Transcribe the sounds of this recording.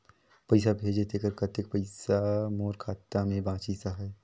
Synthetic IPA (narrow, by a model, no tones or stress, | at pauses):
pəɪsabʱeːd͡ʒet̪ekəɾkət̪ek̚pəɪsamoːɾkʰaːt̪ːamẽbãːt͡ʃisaɦaj